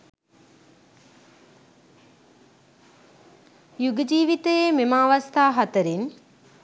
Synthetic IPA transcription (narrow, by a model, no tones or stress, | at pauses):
juɡəd͡ʒiːʋit̪əjememaːʋast̪aːɦat̪əɾin